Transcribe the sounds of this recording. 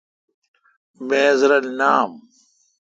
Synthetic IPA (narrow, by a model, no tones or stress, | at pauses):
meːzɾɐlnaːm